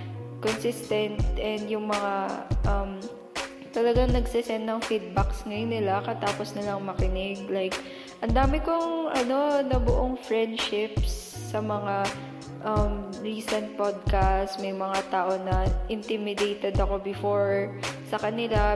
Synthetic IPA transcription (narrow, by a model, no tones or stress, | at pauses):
konsɪst̪ɛnt̪̚ʔɛnd̪jʊŋmɐŋaʔɐm | t̪ɐlɐɡaŋnɐɡsɪsɛnt̪ːɐŋfid̪̚baksŋɐjonːɪlakɐt̪aːposnɐlɐŋmɐkɪnɪɡ̚lajk | ʔɐnd̪aːmɪkoŋʔɐno̞nɐbʊʔoŋfɹɛnd̪ʃɪpsːɐmɐŋa | ʔɐmɹiːsɛnt̪̚pod̪̚kast̪mɐjmɐŋat̪aːʔo̞nɐʔɪnt̪ɪmɪd̪ejt̪ɛd̪ɐko̞bɪfoɹsɐkɐnɪla